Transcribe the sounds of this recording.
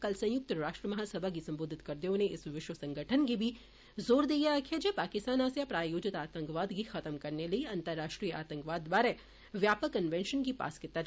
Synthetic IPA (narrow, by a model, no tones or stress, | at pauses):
kɐlsɐ̃jʊk̚t̪ɾaːʃʈɾəmɐɦaːsɐbʱak̬isɐ̃mboːd̪ʱɪt̪kɐɾd̪eõneʔɪsʋɪʃwəsɐ̃ŋɡʱəʈʰənkibʱi | zoːɾd̪ijakʰed͡ʒepaːkɪst̪aːnaːsjapɾaːjoːd͡ʒɪt̪aːt̪ə̃ŋkʋaːd̪kixɐt̪əmkɐɾnelɐiɐ̃nt̪əɾːaːʃʈɾiːjəʔaːt̪ə̃ŋkʋaːd̪baːɾe | ʋjaːpəkːɐnʋẽːnʃənkipa̰ːskɪt̪ːa